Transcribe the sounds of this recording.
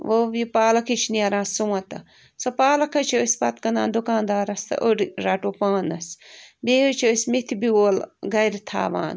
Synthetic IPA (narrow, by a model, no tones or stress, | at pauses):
ʋoʋipaːlɐkʰit͡ʃʰniɐɾãːssuwɐt̪ɐ | sɐpaːlɐkʰɐt͡ʃʰosʲpɐt̪kɐnã̰ːnd̪ukãːnd̪aːɾɐst̪ɐ̰ʔoɽiɾaʈoːpãːnɐsbeːot͡ʃʰosʲmit̪ʰibioːlɡɐjɾt̪ʰa̰ːʋã̰ːn